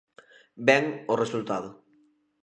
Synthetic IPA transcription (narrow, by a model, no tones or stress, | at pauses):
bɛŋoresult̪að̞ʊ